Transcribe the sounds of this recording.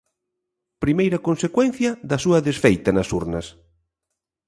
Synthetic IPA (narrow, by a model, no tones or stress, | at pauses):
pɾimejɾɐkonsekwɛn̟θjɐðɐsuɐðesfejt̪ɐnɐsuɾnɐs